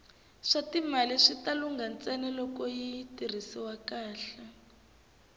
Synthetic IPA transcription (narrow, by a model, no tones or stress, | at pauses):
ʂatimaliʂitaluŋɡant͡sɛnɛlɔkɔjitir̤isiwakaːɬa